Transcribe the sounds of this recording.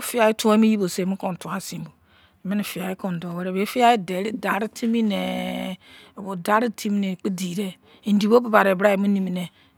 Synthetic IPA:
fi˦a˨ji˦tu˦o˦i˦mi˦ji˦bo˨se˦˨mi˦kõ˨n˨tu˨a˨si˨m˨bo˨ | i˨mi˦ni˨fi˨a˨ji˦ko˨n˨do˨we˦ɾe˦˨be˨˦fi˦a˦i˦de˨˦ɾi˦da˨ɾi˦tʰi˦mi˦ne˨ | bo˨da˦ɾi˦tʰi˦mi˦ne˨k͡pi˦di˨ɾe˦ | i˨n˦di˨bo˦bi˦ba˨ɾe˨bɾa˦i˨mi˦ni˨mi˨ne˨

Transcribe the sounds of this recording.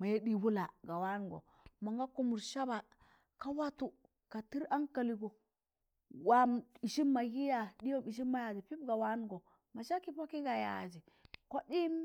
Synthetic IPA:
ma˨je˦ɗi˦˨wu˦la˨ɡa˨wa˦n˨ɡo̰˨ | ma˨ŋɡa˦ku˦mu˨ɾʃa˦ba˨ | ka˦wa˦tu˨ | ka˨ti˦ɾa˦ŋka˨li˨ɡo˨ | wa˦mi˨ʃi˦ma˨ji˦ja˨di˦jo˦mi˨ʃ̬i˦ma˦ja˨d͡ʒi˨pi˦bɡa˨wa˦n˦ɡo˨ | ma˨ʃa˦ki˦po˦ki˦ɡa˨ja̰˨d͡ʒi˨ | ko˦ɗi˦

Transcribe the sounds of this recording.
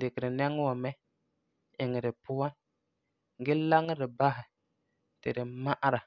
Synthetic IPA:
dɪ˨kɪ˨ɾɪ˨nɛ˦ŋ˦wɔ˨mɛ˦ | ɪ˨ŋɪ˨ɾɪ˨pʊ˦wa˦n˦ | ɡɪ˦la˦ŋ˦ɾɪ˨ba˦ɦɪ˨ | tɪ̰˨ɾɪ˨ma˦ʔɾa˨

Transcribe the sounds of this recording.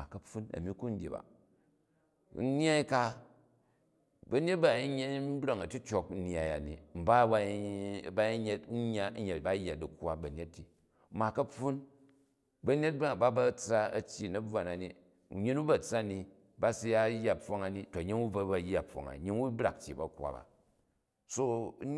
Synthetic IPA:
ma˨kɐ˨pu˦nɐ̰˨mi˦ku˦n̩˦dʲḛ˨ba̰˨˦ | n˦ɲ˦a˦i˦ka˦ | bɐ˨ne˦t̚ba˦˨i˦ɲe˦n̩˦bɾa˨ŋɐ˨ti˦t͡ʃo˨kn̩˦n˦a˨ja̰˨nḭ˨m̩˨ba˦ba˦˨ba˦i˦ɲe˦t̩˦ɲː˦a˦ɲe˨ba˦jːa˨di˨kwa˦bɐ˨nʲe˦tːi˨ | ma˨kɐ˦pu˦n | bɐ˨ne˦t̚ba˦˨ba˦bɐ˦t͡sa˦ɐ˦t͡ʃʲːi˨nɐ˦ba˨na˨ni˨ | ɲi˦nu˦ba˦˨t͡sa˦ni˨ | ba˦si˦ja˦jːa˦po˦ŋa˨ni˦to˨ɲi˦nu˦ba˦ba˨˦jːa˨pːo̰˨ŋa̰˨ɲi˦nwu˦bɾa̰˨k̚t͡ʃːḭ˨ba̰˨kwa̰˨ba̰˨ | so˦

